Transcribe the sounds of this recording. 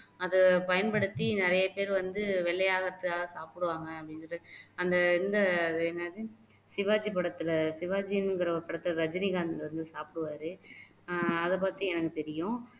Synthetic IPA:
ɐðɯpɐjɐnpɐɽɯt̪ːinɪɾɐjɐpeːɾʋɐnd̪ɯʋɛɭːɐjaːɣɐɐt̪ːɯkaːɣɐsaːpɯɽɯʋaːŋɡɐɐpːɐɽɪnsɔʈːɯɐnd̪ɐɪnd̪ɐɛnːɐði | sɪʋaːd͡ʒipɐɽɐt̪ːɯlɐsɪʋaːd͡ʒiɪnŋɡɪɾɐpɐɽɐt̪ːɯlɾɐd͡ʒɐnɪɣaːnʋɐnd̪ɯsaːpɪɽɯʋaːɾɯ | ɐðɐpːaːɾt̪ːĩɛnɐkːɯt̪ɛɾɪjʊ̃

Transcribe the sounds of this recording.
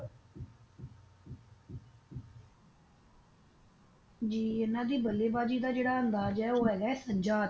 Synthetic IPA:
d͡ʒiːɪnãːd̪iːbəleːbaːd͡ʒiːd̪aːd͡ʒeːɽaːənd̪aːd͡ʒɛːoːɦɛːɡaːɛːsəɲd͡ʒaːd̪

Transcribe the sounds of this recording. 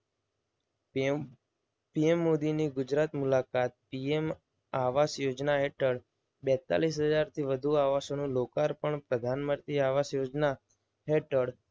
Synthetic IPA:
piemːod̪iniɡʊd͡ʒɾat̪mulakat̪̚piem | aʋasjod͡ʒnaɦeʈəɽ | bɛt̪a̰lis̬ɦəd͡ʒaɾt̪ʰiʋəd̪ʱuaʋasonũlokaɾpəɳpɾəd̪ʱanməɾt̪iaʋasjod͡ʒna | ɦeʈəɽ

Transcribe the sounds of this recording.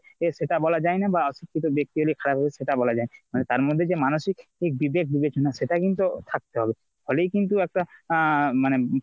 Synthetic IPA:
eʃeʈabɔlad͡ʑaenabaɔsikʰːit̪̬obek̚t̪iɦolikʰaɾabʱabeʃeʈabɔlad͡ʑaenamanet̪aɾmod̪ʱːed͡ʑemanoʃikek̚bibek̚ʰbibet͡ɕonaʃeʈakint̪ot̪ʰak̚t̪eɦɔbe | folejkint̪uɛk̚ʈa | mane

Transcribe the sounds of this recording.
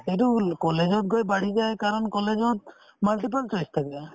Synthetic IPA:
ejt̬ukɔlezɔt̚ɡojbaɽizajkaɹɔnkɔlezɔt̚ | malʈip̬alt͡ʃɔjst̪ʰakia

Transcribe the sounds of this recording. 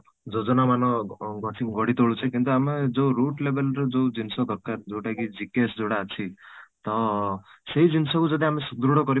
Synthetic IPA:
d͡ʒɔd͡ʒɔnamanɔɡɔt̪ʰiɡɔɽit̪oɭut͡ʃʰɔkint̪uamed͡ʒowɾuʈlebʱelɾɔd͡ʒod͡ʒinsɔd̪ʱɔɾkaɾd͡ʒowʈakid͡ʒikesd͡ʒoɽaːt͡ʃʰit̪ɔ | seɦid͡ʒinsɔkud͡ʒɔd̪iamesud̪ɾuɽɔkɔɾi

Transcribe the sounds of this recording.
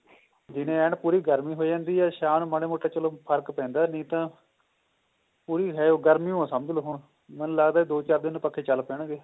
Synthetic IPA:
d͡ʒɪnẽːɛːɳpuːɾiːɡəɾmiːɦoːid͡ʒãːnd̪iːɛːʃaːnməɽeːmoːʈːaːt͡ʃəloːpʰəɾkpɛ̃ːnd̪aːnĩːt̪ãː | puːɾiːɦɛːoːɡəɾmiːõsəməd͡ʒloːɦʊɳ | mənũːləɡd̪aːid̪oːt͡ʃaːɾd̪ɪnːpəkʰːeːt͡ʃəlpɛːɽ̃ɡeː

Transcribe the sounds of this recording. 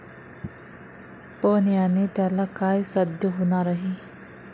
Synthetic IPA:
poːnijanit̪alakaːjsɐd̪jəɦunaɾɐɦi

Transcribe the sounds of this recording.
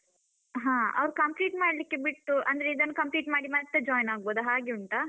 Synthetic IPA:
ɦãːɐ̰ʋɾukɐmpliːʈmaːɽlikːebiʈːuʔɐnd̪ɐɾeid̪ɐnːɐkɐmpliːʈmaːɽimɐt̪ːed͡ʒɔːjnaːɡ̚boːd̪uɦaːɡeuɳʈa

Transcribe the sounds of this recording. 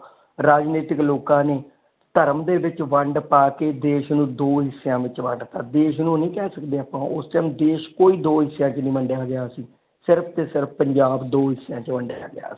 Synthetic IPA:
ɾaːd͡ʒneːʈɪkloːkãːneː | t̪əɾəmd̪eːʋɪt͡ʃʋəɳɖpaːkeːd̪eːʃnũːd̪oːɦɪsːejãːʋɪt͡ʃʋə̃ɳɖt̪aːd̪eːʃnũːnĩːkɛːsəkd̪eːaːpãːʔʊsʈəːmd̪eːʃkoːiːd̪oːɦɪsejãːt͡ʃnĩːməɳɖjaːɡɪjaːsiː | sɪɾpʰt̪eːsɪɾpʰpəɲd͡ʒaːbd̪oːɦɪsːɪjãːt͡ʃʋəɳɖja̰ːɡɪja̰ːsi̥ː

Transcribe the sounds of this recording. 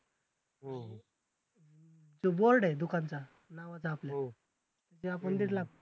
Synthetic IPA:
ɦo | d͡zoboɾɖed̪ukʰãnt͡sa | naʋat͡saːplja | t̪at͡ɕiapəɳd̪it̪ʰlak̚

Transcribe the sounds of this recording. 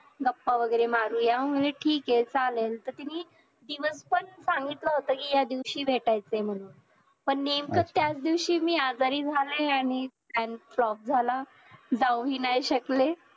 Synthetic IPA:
ɡəpːaʋəɡəjɾemaɾuːjaʋəm̤uleʈʰiːket͡salelt̪əɾt̪iniː | d̪iʋəspəɳsãŋɡit̪ləɦot̪əːkiːjad̪iʋɕiːʋʱeʈajt͡sem̤əɽuːn | pəɳnemkət̪jat͡sd̪iʋɕiːmiːad͡zaɾiːd͡zʱalẽaɽ̃isɛnflɔp̚d͡zʱala | d͡zawɦiːnajɕəkle

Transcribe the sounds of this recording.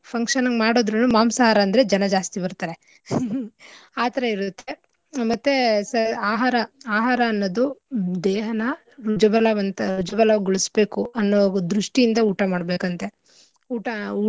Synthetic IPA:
pʰɐŋkʂɐnɐŋɡmaːɽoːd̪ɾɐnumaːmsaːɦaːɾɐːnd̪ɐɾe̞d͡ʒɐnɐd͡ʒaːst̪ibɐɾt̪aːɾe | aːt̪ɐɾɐiɾut̪ːe | mɐt̪ːe̞sɐaːɦaːɾɐaːɦaːɾɐːnːod̪ud̪eːɦɐnɐ | ɾud͡ʒɐbɐlɐʋɐnt̪ɐɾud͡ʒɐbɐlɐʋɡuɭisbe̞ːkuʔɐnːoʋɐɡud̪ɾuʂʈijind̪ɐuːʈɐmaːɽbeːkɐnt̪e̞ | uːʈɐuː

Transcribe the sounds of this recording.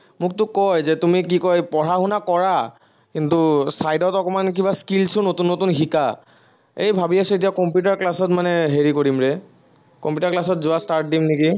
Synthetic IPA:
mʊk̚tʊkɔjzɛtumik̬ikɔjpɔɹaɦunakɔɹa | kintusajdɔtɔkɔmank̬ibaskilsʊnotunːotunxika | ejbʱabiasuet̬iakɔmpjut̬aɹklasɔtmanɛɦeɹikoɹimɹɛ | kɔmpjutaɹklasɔtzʊwastaɹt̚dimneki

